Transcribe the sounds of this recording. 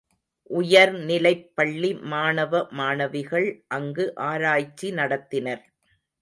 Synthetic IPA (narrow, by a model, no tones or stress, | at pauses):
ʔʊjɐɾnɪlɐɪpːɐɭːimaːnɐʋɐmaːnɐʋɪɣɐɭʔɐŋɡɯʔaːɾaːjt͡ʃːinɐɽɐt̪ːɪnɐɾ